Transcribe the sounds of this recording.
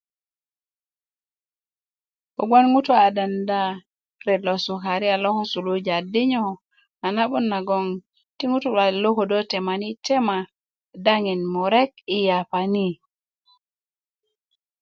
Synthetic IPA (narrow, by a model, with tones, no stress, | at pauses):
ko˨ɡʷa˦nŋu˦tu˦a˨da˨nda˦ | ɾe˨lo˨su˨ka˨ɾi˦a˨lo˦ho˦su˨lo˦d͡ʒa˨di˦ɲo˦ | a˨na˦ɓu˦nːa˨ɡo˦ŋ | ti˦ŋu˦tu˦a˨lo˦ho˨do˦te˨ma˨ni˦te˦ma˨ | da˦ŋi˨nmo˨ɾe˦ki˨ja˨pani˦